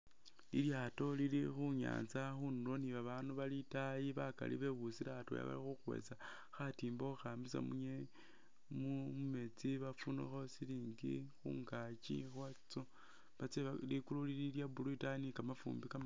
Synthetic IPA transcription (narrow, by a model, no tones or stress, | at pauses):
lḭljato̞lilixuɲa̰ːnt͡saxunulo̞niβaβaːnuβalitajiβaka̰lḭβe̞βusilato̰ja̰βa̰lixuxwḛt͡sa | xatiːmbouxaːmbisa̰muɲe | mume̞t͡siβafunṵxo̞siliːŋɡḭxṵŋɡat͡ʃḭxwat͡so | βat͡selikululililjabuluitainikamafṵːmbika